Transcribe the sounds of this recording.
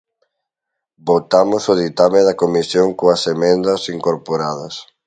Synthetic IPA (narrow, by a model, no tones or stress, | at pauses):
bot̪amosoð̞it̪ameðɐkomisjoŋkoɐsemẽnd̪ɐsiŋkoɾpoɾað̞ɐs